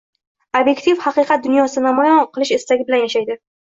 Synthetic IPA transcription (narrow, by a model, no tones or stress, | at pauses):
obje̞kt̪ʰifhɑqɨqʰɑt̪̚d̪ʊnjɒsɪnamɒjɒnqʰɨlˠɪʃɪst̪aɡʲɪbɪlanjaʃajd̪ɪ